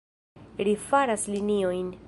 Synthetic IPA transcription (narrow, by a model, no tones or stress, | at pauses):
lifaɾaslinio̞jn